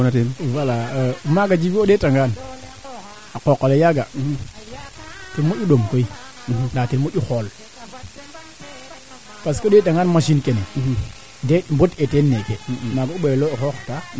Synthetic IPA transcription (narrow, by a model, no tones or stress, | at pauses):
natenwalamaɡad͡ʒibioɗetaŋɡan | akokːalejaɡa | timoʔuɗomkoi | ndatiɾmoɗuxol | paskoɗetaŋɡanmaʃinkene | ndembotetenːekemaɡouɓeloexoxta